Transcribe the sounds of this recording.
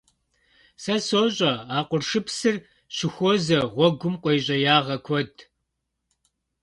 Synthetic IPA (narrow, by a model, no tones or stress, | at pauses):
sɐsoːɕʼɐaːqʷʊrʂɨpsɨr | ɕɪxʷozɐʁʷɔɡʷʊmqʷʼejɕʼɐjaːʁɐkʷʰɔd